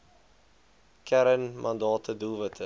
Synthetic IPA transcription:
kʰæɾənmʔɐndɑːtʰəduvətʰə

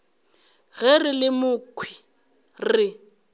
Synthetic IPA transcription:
ɣɛrɪlɪmʊkʰwi̥ | rɪ

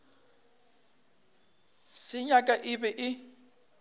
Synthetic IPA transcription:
sɪɲakʼaʔɪbɛʔɪ

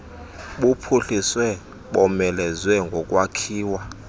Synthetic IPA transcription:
ɓupʰuɬiswɛ | ɓɔmɛlɛzwɛŋɡʱɔkʼwakʰiːwa

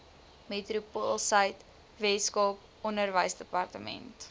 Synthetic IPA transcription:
metɾupolˠsɐjt | vɛskɔːp̚ | ɔnərvəjsdəpɐrtəmɛ̰nt

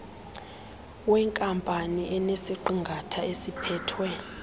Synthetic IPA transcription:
wɛŋkʼampʼaniʔɛnesiǃiŋɡʱatʰaesipʰɛːtʰwɛ

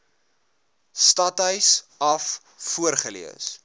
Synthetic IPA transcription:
stɐtœɥsɐfː | uərχəlḭəs

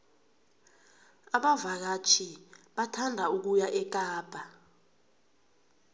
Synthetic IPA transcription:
aɓavak̬at͡ʃʰiɓatʰandʱauk̬ujaʔɛk̬ʼaːb̥ʱa

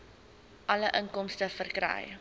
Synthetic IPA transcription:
ʔɐləʔəŋkɔmstəfərkɾɛ̰j

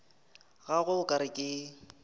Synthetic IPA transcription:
ɣaɣʊkʼaɾɪkʼɪ

